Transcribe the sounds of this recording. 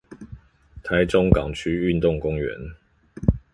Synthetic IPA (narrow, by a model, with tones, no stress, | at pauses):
t̪ʰa˨˦ɪʈ͡ʂʊ˥ŋkɑ̰˨˩ŋt͡ʃʰy˦˥y˥˨nt̪ʊ˥˨ŋkʊ˦ŋɥɛ̰˨˦n